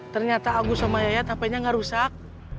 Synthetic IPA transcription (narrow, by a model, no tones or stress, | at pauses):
t̪ərɲat̪aːɡusomajajat̪apaiɲaŋɡaʔɾusak̚